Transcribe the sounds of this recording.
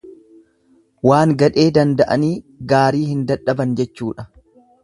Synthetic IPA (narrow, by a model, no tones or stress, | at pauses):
waːŋɡɐᶑe̞ːd̪ɐnd̪ɐʔɐniː | ɡaːɾiːhɪnd̪ɐᶑɐbɐnd͡ʒɛt͡ʃːuːᶑɐ̥